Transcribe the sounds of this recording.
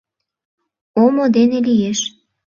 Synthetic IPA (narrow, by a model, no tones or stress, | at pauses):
omod̪enelijeʃ